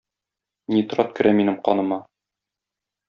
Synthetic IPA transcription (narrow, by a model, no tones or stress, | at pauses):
nit̪̆ɾɑt̪̚kɘ̆ɾʔæminɘmqɒ̰nɤ̆mɑ